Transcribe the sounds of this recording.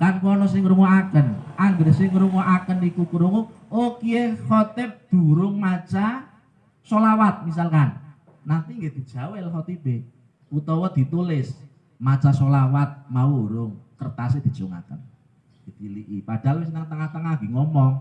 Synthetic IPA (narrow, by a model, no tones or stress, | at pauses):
kanpɔnɔs̬ɪŋɾuŋoakənaŋɡərsɪŋɾuŋoʔakənikukuɾuŋuokiehɔt̪ɪp̚d̪̥ṳɾʊŋmat͡ʃa | solawat̪̚mis̬alkanː | ant̪iŋɡed̪̥i̤d̥ʒ̥a̤wɪlɦɔt̪ibe | ut̪ɔwɔd̪̥i̤t̪ulɪs | mat͡ʃasolawat̪̚mauɾʊŋkərt̪ased̪̥i̤̥t͡ʃuŋa̰kən | d̪̥it̪iliʔipaɖ̥a̤lwɪsnaŋt̪əŋaht̪əŋaɡ̥iŋɔmɔŋ